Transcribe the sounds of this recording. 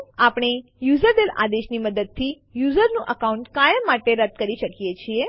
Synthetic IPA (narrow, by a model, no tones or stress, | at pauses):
apɳ̃ejuzəɾd̪ela̰d̪eʃniməd̪əd̪̚t̪ʰi | juzəɾnũʔəkaũɳʈkajəmːaʈeɾəd̪̚kəɾiʃəkjet͡ʃʰie